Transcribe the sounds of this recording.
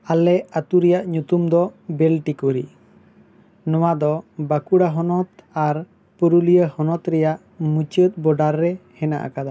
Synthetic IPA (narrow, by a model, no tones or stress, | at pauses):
alɛat̪uɾɛjaʔɲut̪umd̪ɔbɛlʈikɔɾḭ | nɔwad̪ɔbakuɽaɦɔnɔt̪aɾ | puɾulijəhɔnɔt̪ɾɛjaʔ | mut͡ʃət̪̚bɔɖaɾːɛhɛna̰ʔa̰kad̪a